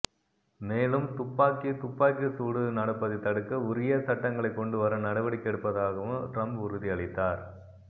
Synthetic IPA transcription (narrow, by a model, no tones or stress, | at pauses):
meːlɯmt̪ʊpːaːkːit̪ʊpːaːkːisuːɽɯnɐɽɯpːɐðɪt̪ɐɽɯkːɐʊɾɪjɐsɐʈːɐŋɡɐɭɐɪkːɔɳɖɯʋɐɾɐnɐɽɐʋɐɽɪkːɛɽɯpːɐðaːɣɐʋɯmʈɾɐmbʊɾɯðiɐɭɪt̪ːaːɾ